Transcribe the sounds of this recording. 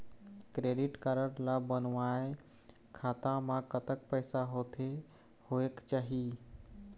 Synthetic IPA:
kɾeːɖɪʈkaɾəɾlabənʋae | kʰaːt̪ãmãkət̪ək̚pəɪsaɦoːt̪ʰe | hoekt͡ʃaːɦi

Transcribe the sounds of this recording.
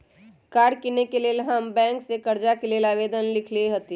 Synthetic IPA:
kaːɾkinekelelɦəmbɛ̃ːŋksekɐɾd͡ʒakeleːlaːʋeːd̪ənlɪkʰlieɦət̪i

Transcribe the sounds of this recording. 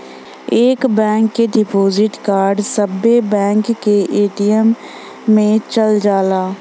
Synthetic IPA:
eːkbɛ̃ːŋkːeɖɪpoːzɪʈkaːɾɖsəbebɛ̃ːŋkːeʔeːʈijəmː | ẽt͡ʃəld͡ʒaːlaː

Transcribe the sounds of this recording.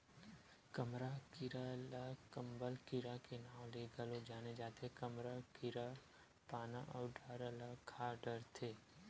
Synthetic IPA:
kəmɾakɪɾalakəmbəlkɪɾakenaːwleːɡəlod͡ʒaːned͡ʒaːt̪ekəmɾakɪɾa | paːnaʔɔːɾɖaːɾəlakʰaːɖəɾt̪ʰeː

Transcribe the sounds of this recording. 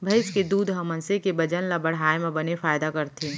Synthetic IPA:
bʱɐɪsked̪uːd̪ʱɦɐmɐnsekebɐd͡ʒənlabɐɽ̤aːemẽbɐnefaːjd̪akɐɾt̪ʰe

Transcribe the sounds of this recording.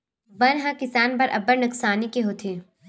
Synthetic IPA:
bɐnɦãkɪsaːnpɐɾʔɐbəɾnɐksaːnikeɦot̪ʰeː

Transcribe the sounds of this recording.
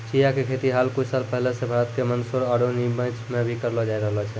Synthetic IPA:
t͡ʃijakekʰet̪iɦalkut͡ʃʰsalpəɦilesẽbʱaɾət̪kemənsuɾəɾonimə̃t͡ʃʰmebʱikəɾlɔd͡ʒaiɾəɦəlɔt͡ʃʰɛ

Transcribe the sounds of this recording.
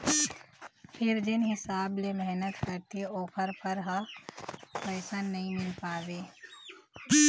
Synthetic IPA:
pʰɪɾd͡ʒɪnɦɪsaːblemɛɦnət̪kɐɾt̪ieoːpʰəɾpʰəɾɦa | pɐːsənːɐɦĩmɪlpaːʋeː

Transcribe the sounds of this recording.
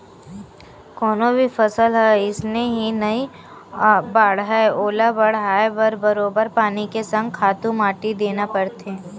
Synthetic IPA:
kɔːnõbʱifɐsəlɦɛɪsneɦinɐi | baːɽɦɛoːlabəɽɦaːebəɾbɐɾoːbəɾpaːnikesɐ̃ŋɡ̚kʰaːt̪ũmaːʈid̪eːnapɐɾt̪eː

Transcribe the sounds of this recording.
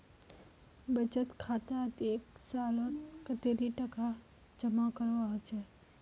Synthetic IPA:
bəd͡ʒət̪kʰat̪at̪eksalonkət̪eɾiʈəka | d͡ʒəmakəɾot͡ʃʰe

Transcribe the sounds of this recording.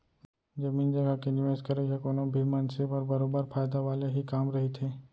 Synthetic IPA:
d͡ʒɐmiːnd͡ʒɐɡakenɪʋeːskɐɾekakoːnõbʱimɐ̃nsepəɾbɐɾoːbəɾfaːjd̪aʋaːleɦikaːmɾɐɦet̪ʰeː

